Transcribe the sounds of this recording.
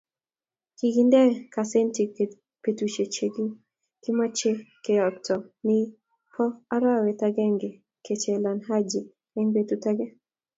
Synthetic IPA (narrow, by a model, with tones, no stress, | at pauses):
kiɡindɛ˦kasɛ˦ntik | petuʃe˨t͡ʃeɡi˦ | ki˦ma˦t͡ʃe˦kɛ˨ɔ˨tʰɔ˨ni˦ | pʰɔ˦a˦ɾa˦wɛ˨taɡɛ˦ŋɡɛ˨ | ket͡ʃɛ˨la˨nɦa˦d͡ʒi˨ | ɛŋbetuta˦ɡɛ˦